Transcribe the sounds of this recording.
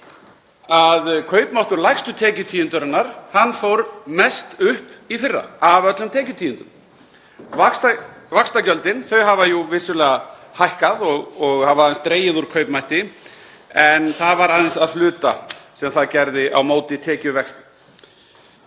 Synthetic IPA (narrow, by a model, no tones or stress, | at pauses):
aðkʰœːɥpmaht̪ʏɾlajxst̪ʏt̪ʰɛːcʏt̪ʰiːjʏnt̪ʏɾanːaɾ̥hanːfowɾmɛst̪ʏhpifɪrːa̰avœt̪lʏmt̪ʰɛːcʏt̪ʰiːʏnt̪ʏm | vaksvakst̪acœlt̪ɪnθœɥɦavajuvɪsʏlɛːɣa | hajhkaðɔɣɔɣhavaːðɪnst̪ɾeːjɪðuɾ̥kʰœɥpmajht̪ɪ | ɛnθaðvaɾaðɪnsaðflʏːt̪a̰sɛmθaðcɛɾðɪʔa̰wmoːwt̪ɪt̪ʰɛːcʏvɛkst̪